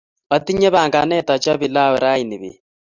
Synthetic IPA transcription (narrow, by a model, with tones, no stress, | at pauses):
ɔ˦t̪i˦ɲe˦βa˨ŋɡa˨nɛ˦ta˨t͡ʃɔ˦βi˨la˦we˨ɾa˦i˨ni˨βḭ˨